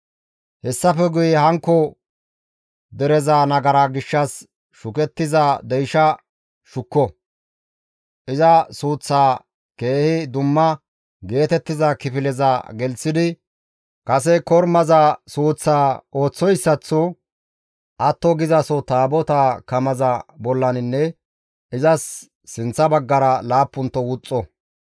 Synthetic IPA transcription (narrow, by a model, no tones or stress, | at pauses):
hɛsːɐfɛɡʊjɛɦɐŋkːɔ | d̪ɛɾɛzanɐɡɐɾaɡɪʃːɐs | ʃʊkɛt̪ːɪzɐd̪ɛjʃɐ | ʃʊkːɔ | ʔɪzɐsuːt͡sːaː | ke̞ːhɪd̪ʊmːɐ | ɡe̞ːt̪ɛt̪ːɪzɐkɪfɪlɛzɐɡɛlsɪd̪ɪ | kɐs̬ɛkɔɾmɐzɐsuːt͡sːaːo̞ːt͡sːɔjsːɐt͡sːɔ | ʔɐt̪ːɔɡɪzɐsɔt̪aːbɔt̪akɐmɐzɐbɔlːɐnɪnːɛ | ɪzɐsː | ɪnt͡sːɐbɐɡːɐɾɐlaːpːʊnt̪ːɔwʊt͡sʼːɔ